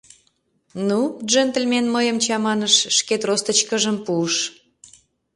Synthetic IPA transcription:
nuʒønt̪əlʲmenməjəmt͡ɕɑmɑnəʃːket̪rost̪ə̆t͡ɕkəʒəmpuəʃ

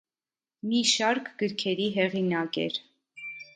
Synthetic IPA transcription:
miʃɑɾkʰɡəɾkʰɛɾiɦɛʁinɑkɛ̰ɾ

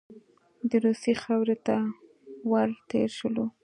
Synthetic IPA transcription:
d̪əɾusixawɾet̪a | waɾt̪ḛɾʃəlo

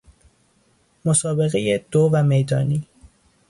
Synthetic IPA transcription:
mosɒːbe̞ɣejed̪̥ovæmejd̪ɒːniː

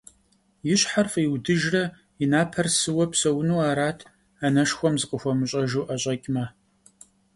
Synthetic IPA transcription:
jɪɕħarfiwdɨʒrɐ | inaːpʰɐrsɨwɐpsɐwnuːaːɾaːtʰ | anɐʂxʷɔmzɨqəxʷɔmɨɕʼɐʒuːʔɐɕʼɐkʲʼmɐ

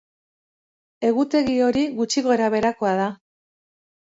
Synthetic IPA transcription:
e̞ɣut̪e̞ɣio̞ɾiɣut͡ʃiɣo̞eɾaβe̞ɾako̞aða

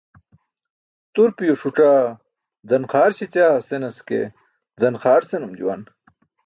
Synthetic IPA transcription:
t̪uɾpijoʂuʈ͡ʂaː | d͡zɐnxaːɾɕit͡ɕaːsenɐskḛ | d͡zɐnxaːɾsenumd͡ʑṵwɐ̰n

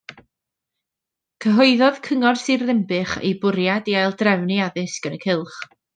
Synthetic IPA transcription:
kʰəɦɔɨðɔðkʰəŋɔrsirðɪmbɨχḛjbʊɾjadiajlˠdrɛvniaðɪsɡ̥ənəkʰɪlˠχ

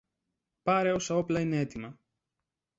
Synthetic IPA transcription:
pɐɾeo̞sɐo̞plɐine̞e̞t̪imɐ

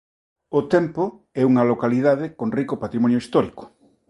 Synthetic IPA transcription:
ot̪ɛmpo | ɛuŋɐlokalið̞aðekonrikopat̪ɾimɔnjoist̪ɔɾiko̥

